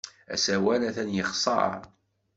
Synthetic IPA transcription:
æ̰sæwælæθænjəχsˤɑ̰ɾɑ̰

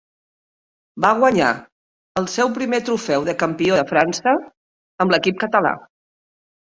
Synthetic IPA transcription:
baɣ̞wəɲa̰ | əlˠsewpɾimet̪ɾufɛwðəkəmpioðəfɾansə | əmləkip̚kət̪əla̰

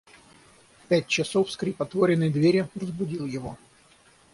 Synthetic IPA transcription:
pʲæt̚ʲt͡ɕɪsofskɾʲɪpɐt̪voɾʲɪnəjd̪vʲeɾʲɪrəzbʊdʲilˠjɪvo

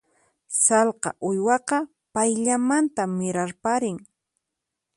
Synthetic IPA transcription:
sɑlqɑ̰ʔʊjwɑqɑ | pajʎamant̪amːɪɾaɾpaɾɪŋ

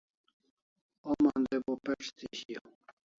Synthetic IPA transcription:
omand̪ebopeʈ͡ʂt̪iɕijo

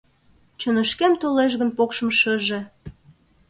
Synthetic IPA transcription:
t͡ɕənəʃkemt̪oleʃ̬ɣənpokʃəmʃəʒe

